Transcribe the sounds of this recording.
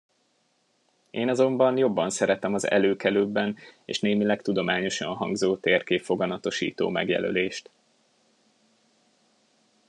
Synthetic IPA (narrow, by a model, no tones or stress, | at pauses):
eːnɒzo̞mbɒnjo̞bːɒnsɛɾɛt̪ɛmɒzɛ̰løːkɛløːbːɛnḛːʃneːmilɛkt̪ud̪o̞maːɲo̞ʃɒ̰nɦɒŋɡzoːt̪erkeːfo̞ɡɒnɒt̪o̞ʃḭːt̪o̰ːmɛ̰ɡjɛ̰lø̰leːʃt̪